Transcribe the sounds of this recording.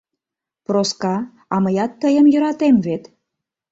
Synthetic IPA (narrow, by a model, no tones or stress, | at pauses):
proskɑ | ɑməjɑt̪ːəjəmjə̆ɾɑt̪emvet̪